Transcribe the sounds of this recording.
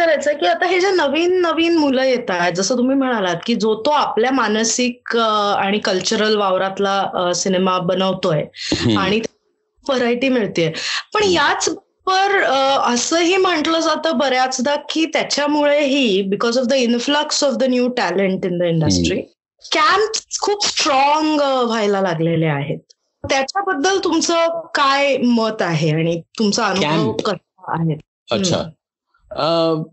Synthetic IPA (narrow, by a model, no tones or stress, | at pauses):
kəɾajt͡səkiːət̪aɦed͡ʑanəʋiːnːəʋiːnmuləːjet̪ajd͡zəsəːt̪um̤iːm̤əɽ̃alat̪kiːd͡zot̪oapljamansikəaɽ̃ikəlt͡ɕuɾəlʋaʋɾat̪lasinemabənəʋt̪ojeaɽ̃it̪a | bəɾajʈiːmiɭt̪iːepəɳjat͡s | pəɾəsəːɦiːm̤əɳʈləd͡zat̪əːbəɾjat͡sd̪akːiːt̪jat͡ɕjamuɭeɦiːbikɔzɔfd̪əinfləksɔfd̪ənjuːʈæleɳʈind̪əiɳɖəsʈɾiː | kæmpskʰuːpsʈɾɔŋɡʋ̤ajlalaɡleleaɦet̪̚ | t̪jat͡ɕjabəd̪ːəlt̪umt͡səkajmət̪aɦeaɽ̃it̪umt͡saənubɾəʋkːəsəa̰ɦet̪̚ | əa̰ | ə